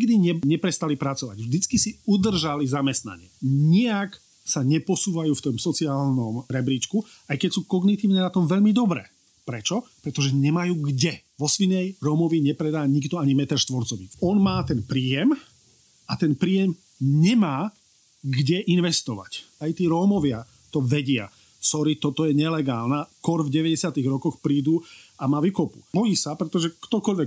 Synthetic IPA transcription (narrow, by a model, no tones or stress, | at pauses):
ɲiɡd̪iɲɛɲɛpɾɛst̪alipɾat͡sɔʋa̰ɟvʒd̪it͡skisiud̪r̩ʒalizamɛst̪na̰ɲɪɛ̰ɲiak | saɲɛpɔsuːʋajuːft̪ɔmsɔt͡siaːlnɔmɾɛbɾiːt͡ʃku | ajkɛcsuːkɔɡnit̪iːʊnɛːnat̪ɔmʋɛʎmid̪ɔbɾɛ̰ː | pɾɛt͡ʃɔpɾɛt̪ɔʒɛɲɛmajuːɡɟɛ | ʋɔsʋinɛjɾɔmɔʋiɲɛpɾɛd̪aːɲiɡd̪ɔaɲimɛt̪aʃt̪ʋɔɾt͡sɔʋiɔnmaːt̪ɛnpɾiːjɛm | at̪ɛnpɾiːjɛm | ɲɛmaː | ɡɟɛʔinʋɛst̪ɔʋa̰cajt̪iːɾɔːmɔʋɪa | t̪ɔʋɛɟɪa̰ | sɔɾit̪ɔt̪ɔjɛɲɛlɛɡaːlnakɔɾvɟɛʋɛɟɛsɪat̪iɣɾɔkɔxpɾiːd̪uamaːʋikɔpu̥̰bɔjiːsapɾɛt̪ɔʒɛkt̪ɔkɔʎʋɛk